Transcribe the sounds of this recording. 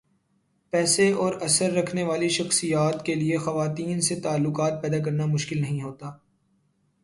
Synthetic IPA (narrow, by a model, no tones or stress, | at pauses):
pɛːseɔːɾɐsəɾːɐkʰneʋaːliʃɐxsijaːt̪keliexɐʋaːt̪iːnset̪aːlːʊkaːt̪̚pɛːd̪ak̬ɐɾnamʊʃkɪlnɐɦĩɦoːt̪aː